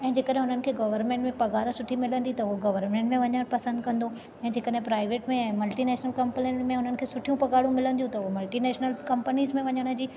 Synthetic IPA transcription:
ɛ̃ːd͡ʑeːkəɗɦẽɦʊn̤ənɪ̆kʰeːɡɐʋəɾmẽːɳʈmẽpɐɡaːɽə̃sʊʈʰimɪlə̃nd̪it̪ɐʊɦoɡɐʋəɾmẽɳʈmẽʋɐɲəɽ̃pɐsə̃nd̪kɐ̃nd̪o | ɛ̃ːd͡ʑeːkəɗɦẽpɾaːɪʋeːʈmẽɛ̃ːmɐlʈinɛːʃnəlkɐ̃mpnmẽɦʊn̤ənɪkʰeːsʊʈʰijũpɐɡaːɽũmɪlə̃nd̪ijũt̪ɐʊɦomɐlʈinɛːʃnəlkɐ̃mpənizmẽʋɐɲəɽ̃ə̆d͡ʑiː

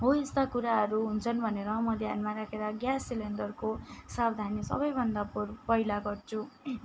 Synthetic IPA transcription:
ɦoest̪akuɾaɦʌɾuɦunt͡sʰʌnbʱʌneɾʌmʌd̪ʱjanmaɾakʰeɾʌɡjasːilenɖʌrkosabd̪ʱanisʌ̰bʌjbʱʌnd̪aporpʌilaɡʌrt͡sʰu

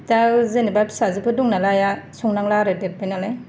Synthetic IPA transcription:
tazenibajpsazɯpɯduŋnalajasuŋnaŋlaɾɯdet̚bajnalaj

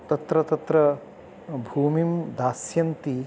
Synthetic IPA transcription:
t̪ɐt̪ɾɐt̪ɐt̪ɾɐ | bʱuːmimd̪aːsjɐnt̪i

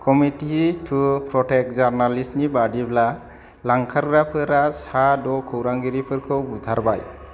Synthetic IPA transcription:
kɔmititʰupɾɔʈek̚d͡ʒaɾnalisnibadibʰla | laŋkʰaɾɡɾapʰɯɾasadɔkʰɔwɾaŋɡiɾipʰɯɾkʰɯwbud̪ʱaɾbaj

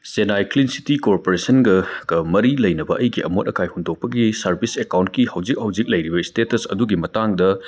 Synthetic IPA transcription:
senajklinsi̥tikoɾpoɾesɐnɡɐɡ̥ɐmɐɾilɐjnɐbɐʔɐjɡiʔɐ̰mot̚ɐkʰajhondok̚pɐɡisɐɾbʱisekawnt̚kihɐwd͡ʒik̚hɐwd͡ʒik̚lɐjɾibɐistetɐsɐ̰duɡimɐtaŋdɐ

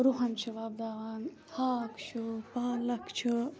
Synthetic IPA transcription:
ɾuɦɐnt͡ʃʰiʋaːb̚d̪aːʋaːn | haːkt͡ʃʰupaːlɐkt͡ʃʰu

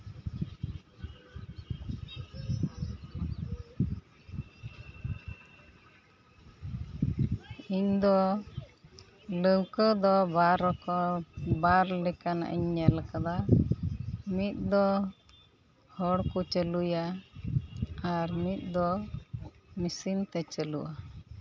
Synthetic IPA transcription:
iɲd̪ɔ | ləwkəd̪ɔbaɾɔkɔbaɾlɛkana̰ʔḭɲːɛlkad̪a | mit̪̚ˀd̪ɔ | hɔɽkut͡ʃəluja | aɾmit̪̚ˀd̪ɔ | misint̪ɛt͡ʃəluʔa

